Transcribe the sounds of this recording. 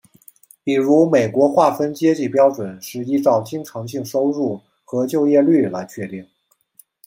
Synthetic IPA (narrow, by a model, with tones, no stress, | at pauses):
pi˨˩ɻu˧˥me˨˩ɪkwɔ˧˥xwa˥˩fə˥nt͡ɕjɛ˥t͡ɕi˥˩pjɑ˥ʊʈ͡ʂwə˨˩nʂɻ̩˥˩˧i˥ʈ͡ʂɑ˥˩ʊt͡ɕi˥ŋʈ͡ʂʰɤ˧˥ŋɕi˥˩ŋʂo˥ʊɻu˥˩ | xɤ˧˥t͡ɕjo˥˧ʊjɛ˥˧ly˥˩la˧˥ɪt͡ɕʰɥɛ˥˧t̪i˥˩ŋ